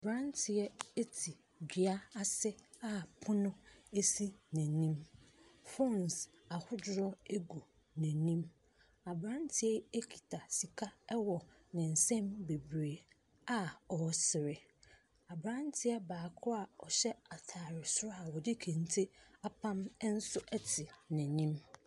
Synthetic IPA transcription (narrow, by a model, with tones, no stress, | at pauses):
a˨bɾã˦ntʰɪ˨ɛ˦e˦tʰi˨ | dɪ˨a˦a˨sɛ˦ | a˦pʰʊ˦nʊ̃˦e˦si˦nɛ̃˨nĩ˦m | fɔ˦ns | a˨hʊ˦dʊ˦ɾɔ˦e˦ɡo˨ | nɛ̃˨nĩ˦m | a˨bɾã˦n˦tʰɪ˦ɛ˦e˦kʰi̥˨tʰa˨si˨kʰa˦ɛ˦wɔ˨ | nɪ̃˨n̩˨sɛ̃˦mbe˨bɾe˨ | a˦ɔ˨sɪ˨ɾɪ˨ | a˨bɾã˦n˦tʰɪ˦a˦baː˨kʰʊ˦a˨ɔ˨ɕɛ˦a˨tʰaː˨ɾɪ˨sʊ˦ɾɔ˦a˨wɔ˨dɪ˦kʰẽ˨n˨˦tʰɪ˦a˦pʰã˦m˦n̩˦sʊ˦ʔɛ˦tʰɪ˨nɛ̃˨nĩ˦m